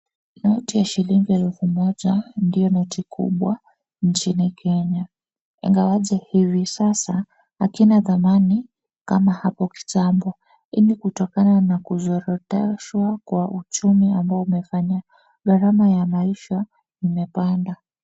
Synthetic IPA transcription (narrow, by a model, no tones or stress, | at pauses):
nɔtijaʃiliŋɡiɛlɛfumɔʄandijɔnɔtikʰṵɓwa | nt͡ʃinikʰɛɲa | ɛ̰ŋɡawaʄɛhivisasa | hakinaðamani | kamahapɔki̥tambɔ | inikutɔkananakuzɔɾɔtɛʃwakwaʔut͡ʃumiambaɔumɛfaɲa | ɡaɾamajamaiʃa | imɛpanda